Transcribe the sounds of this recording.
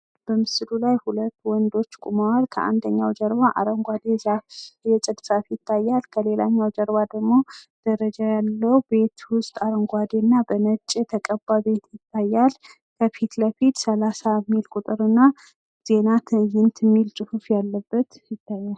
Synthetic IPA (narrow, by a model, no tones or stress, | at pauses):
b̥əmɨsɨlulajhulət̪ːwɔnd̪o̞t͡ʃːkʼumawaɾkʰəʔa̰nd̪əɲːawd͡ʒəɾbaʔaɾəŋɡʷad̪ezafjɛt͡ʃʼɨd̪safjɪt̪ʰːajːalkʰəle̞la̰ɲːawd͡ʒəɾbad̪əɡmo̞d̪̥əɾəd͡ʒajalːəwbe̞t̪wʊst̪ʼaɾəŋɡʷad̪enːabənət͡ʃʼːit̪ʰəkʼəbaβe̞t̪jɪt̪ːajːal | kʰəfit̪ləfit̪səlasamilkʼut̪ʼɨɾɨnːa | z̥e̞nat̪ʰɨjɪnt̪ʰɨmːilt͡ʃʼɨhufjalːəbːət̪jɪt̪ʰːajːal